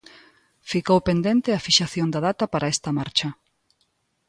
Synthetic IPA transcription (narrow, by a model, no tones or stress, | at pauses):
fikowpend̪ent̪ɪɐfiʃaθjond̪ɐðat̪ɐpaɾʔɐɛst̪ɐmaɾt͡ʃɐ